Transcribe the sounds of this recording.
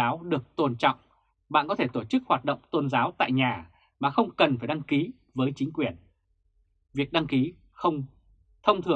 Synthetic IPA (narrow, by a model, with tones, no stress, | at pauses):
aː˨˦wɗɨ˨˩ək̚t̪o˧nt͡ɕɔ̰˧˨wŋ͡m | ɓa̰ː˧˨nkɔ˨˦t̪ʰe˧˩t̪o˧˩t͡ɕɨ˦˥k̚hwaː˨˩t̚ɗə̰˧˨wŋ͡mt̪o˧nzaː˨˦wt̪a̰ː˧˨jɲaː˨˩ | maː˨˩xə˧wŋ͡mkə˨˩nfaː˧˩jɗa˧ŋki˨˦ | vəː˨˦jt͡ɕï˨˦ŋ̟kwi˧˩ən | vi˨˩ək̚ɗa˧ŋki˨˦ | xə˧wŋ͡m | t̪ʰə˧wŋ͡mt̪ʰɨ˨˩ə